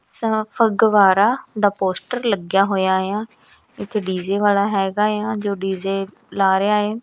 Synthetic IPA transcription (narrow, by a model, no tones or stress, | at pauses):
səpʰəɡʋaːɾaːd̪aːpoːsʈəɾləɡjaːɦoːjaːɦeãː | ɪt̪ʰːeːɖiːzeːʋaːlaːɦɛːɡaːejaːd͡ʒoːɖiːzeː | laːɾeaːɦeː